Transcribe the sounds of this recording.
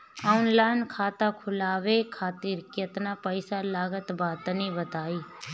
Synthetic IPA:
aːʊnlaːɪnkʰaːt̪akʰʊlaːʋekʰaːt̪iːɾket̪napəɪsalaːɡət̪baːt̪nĩbət̪aːiː

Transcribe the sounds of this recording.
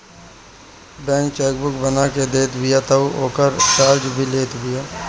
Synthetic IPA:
bɛ̃ːŋkt͡ʃɛːk̚bʊk̚bənaked̪eːt̪bɪjat̪ɐuoːkəɾt͡ʃaːɾd͡ʒbʱileːt̪bɪjaː

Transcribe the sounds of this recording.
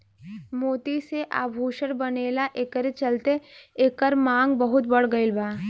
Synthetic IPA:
moːt̪iseʔa̰ːbʱuːʃəɾbɐneːlaʔeːkəɾet͡ʃɐlt̪eeːkəɾmãːŋɡbɐɦʊt̪bɐɽ̤ɡəɪlbaː

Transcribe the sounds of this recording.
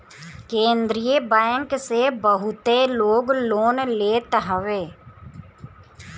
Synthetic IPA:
kẽːnd̪ɾijəbɛ̃ːŋksebəɦʊt̪eloːɡloːnleːt̪ɦəʋeː

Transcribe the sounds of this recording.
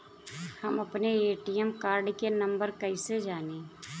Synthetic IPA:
hɐmɐpneeːʈijəmkaːɾɖkenɐ̃mbəɾkəised͡ʒaːneː

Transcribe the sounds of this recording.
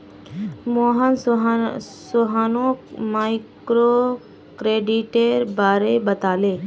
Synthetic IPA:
moːɦən | soɦanomaːɪkɾoː | kɾeːɖiʈeɾbaːɾeːbət̪aːleː

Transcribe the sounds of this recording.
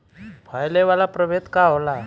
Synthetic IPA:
bʱajleʋalapɾəʋet̪kaɦola

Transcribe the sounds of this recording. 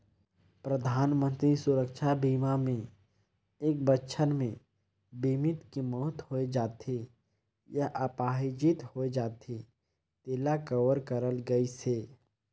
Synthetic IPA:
pɾəd̪ʱaːnmə̃nt̪ɾisʊɾəkʃabiːmamẽ | eːk̚bətːʃʰənmẽ | bimɪt̪kimɔːt̪hoed͡ʒaːt̪e | jaʔəpaːɦid͡ʒɪt̪hoːed͡ʒaːt̪ʰe | t̪eːlakəʋəɾkəɾəlɡəiseː

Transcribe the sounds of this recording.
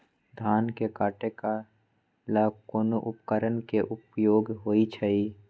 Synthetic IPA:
d̪ʱaːnkekaːʈeka | laːkoːnoʔʊpkəɾənkeʔʊpjoːɡɦoːit͡ʃʰɐiː

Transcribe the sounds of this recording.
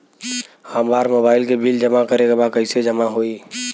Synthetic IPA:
haːmbaːɾmobaːɪlkebild͡ʒəmakəɾekabakəɪsed͡ʒəmaɦoi

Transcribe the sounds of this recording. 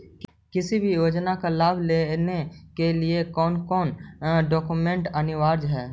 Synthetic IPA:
kɪsibʱijoːd͡ʒnakalaːbʱleːnekeliekɔːnkɔːnɖɔːkumẽɳʈənɪʋaːɾd͡ʒɦɛː

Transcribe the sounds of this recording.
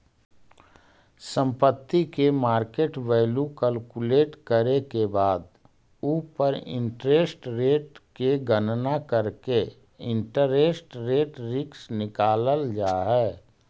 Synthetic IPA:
sə̃mpət̪ːikemaːɾkeːʈʋeːlukəlkuleːʈkəɾekebaːd̪ | upəɾɪ̰̃ɳʈɾeːsʈɾeːʈkeɡənnakəɾke | ɪ̃ɳʈəɾeːsʈɾeːʈɾɪksnɪkaːləld͡ʒaːɦɛː

